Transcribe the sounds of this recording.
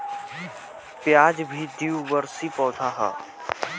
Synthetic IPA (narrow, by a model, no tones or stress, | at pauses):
pjaːd͡ʒbʱid̪iuʋəɾsipɔːt̪ʰaːɦa̰ː